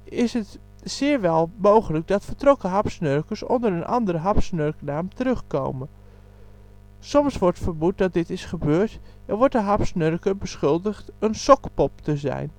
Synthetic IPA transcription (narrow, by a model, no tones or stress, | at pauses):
ɪsət | sɪːɹʋɛlˠmowχələk̚dɑtfəɹtrɔkəɦɑpsnøɹkəɹsɔ̰ndəɾənʔɑ̰ndəɾəɦɑpsnørknaːmtəɾɵχko̰wmən | sɔmsʋɔɹtfəɹbut̚dɑt̚dɪtɪsχəbøːɹtɛnʋɔɹtdəɦɑpsnøɹkəbəsχʏlˠdəχtənsɔkpɔp̚təzɛ̰jn